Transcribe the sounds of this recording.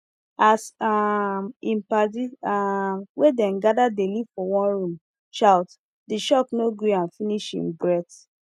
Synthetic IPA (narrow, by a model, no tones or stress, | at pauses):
asa | ĩmpadiawedɛ̃mɡadadelivfɔwɔ̃nɹũm | ʃaʊt | diʃɔknoɡiãnfiniʃḭ̃mbɹɛt